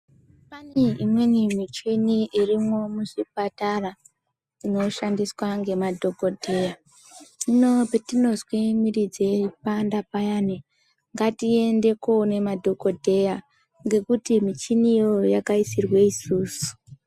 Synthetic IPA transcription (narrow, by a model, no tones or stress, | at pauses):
paneimwenimit͡ʃiniirimo̞muʐipatara | ino̞ʃandiswaŋɡe̞madʱo̞ko̞dʱe̞ːja | mino̞petinozwimiɾid͡zepandapajane | ŋɡatie̞nde̞kone̞madʱo̞ko̞dʱe̞ja | ŋɡe̞kutimit͡ʃinijojakaisirwe̞isuːsu̥